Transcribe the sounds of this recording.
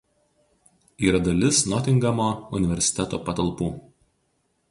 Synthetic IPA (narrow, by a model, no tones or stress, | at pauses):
iːɾɐd̪ɐlʲɪsnɔt̪ʲɪŋɡɐmoːʊnʲɪʋʲɛɾʲsʲɪ̥t̪ʲɛt̪oːpɐt̪ɐlˠpuː